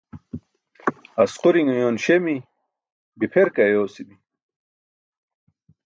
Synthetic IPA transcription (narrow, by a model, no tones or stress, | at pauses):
ɐsquɾiŋujoːnɕemi | bipʰeɾkɐjoːsibi